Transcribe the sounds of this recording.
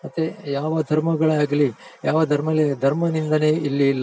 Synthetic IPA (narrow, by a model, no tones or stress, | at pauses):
mɐt̪ːejaːʋɐd̪ʱɐɾmɐɡɐɭɐaːɡɐlijaːʋɐd̪ʱɐɾmɐled̪ʱɐɾmɐnind̪ɐne̞ːilːilːɐ